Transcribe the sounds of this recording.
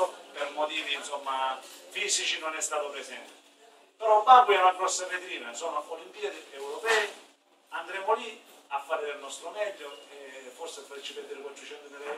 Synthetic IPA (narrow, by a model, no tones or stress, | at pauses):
permot̪iːvinsomːafisit͡ʃinonɛst̪aːt̪opɾesɛnt̪ɪ | peɾɔmabuɛunaɡɾɔsːavet̪ɾiːnasoːnoolimpiad̪iewɾopɛːi | and̪ɾeːmoli | afːaːɾɪdelnɔst̪ɾomɛʎːoeforsefaɾet͡ʃːipɛd̪iɾkont͡ʃut͡ʃɛnt̪enelɛ